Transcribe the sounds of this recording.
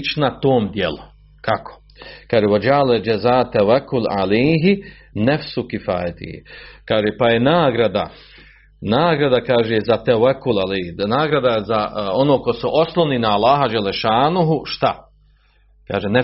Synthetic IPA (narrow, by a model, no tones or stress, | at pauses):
t͡ʃnat̪oːmd̪jelu | kakʰo̥ | kaːʒeːwad͡ʒaled͡ʒɛzaːt̪ːɛwakːula̰lejɦi | nɛfsukifa̰ːjat̪ḭhḭkaːʒepajenaːɡɾad̪a̰ | naːɡɾad̪akaːʒezat̪ɛwakːulalejhinaːɡɾad̪azao̞noːko̞suʔo̞slˠoʋninaːlˠːaːɦad͡ʒalːeʃaːnuɦuʃt̪a | ka̰ːʒenɛ